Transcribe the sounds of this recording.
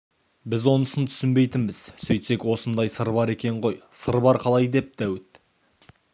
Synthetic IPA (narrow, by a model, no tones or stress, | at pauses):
bɪzwo̞nəsənt̪ʰʏ̥sɪnbe̞jt̪ɪnbɪz̥sɵjt̪se̞kwo̞sənd̪ɑjsəɾbɑɾe̞kʲe̞ɴʁo̞jsəɾbɑɾqʰɑlˠɑjd̪e̞p̚d̪̥æwɪt̪